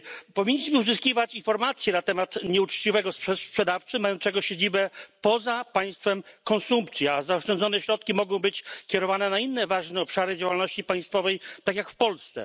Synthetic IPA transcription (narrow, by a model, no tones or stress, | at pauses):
pɔvʲiɲːiɕmɘuzɘskʲivat͡ɕinfɔɾmat̪sʲjɛnat̪ɛmat̪ɲɛut͡ʂt͡ɕivɛɡɔsʂɛspʂɛd̪aft͡sɘmajɔnt̪sɛɡɔɕed͡ʑibɛpɔzapaj̃st̪fɛmkɔnsumpt̪sʲjiazaɔʂt͡ʂɛnd̪zɔnɛɕɾɔt̪̚kʲimɔɡɔ̃w̃bɘt͡ɕkʲɛɾɔvanɛnainːɛvaʐnɛɔpʂaɾɘd͡ʑawalnɔɕt͡ɕipaj̃st̪fɔvɛjt̪akjakfpɔlst̪sɛ̰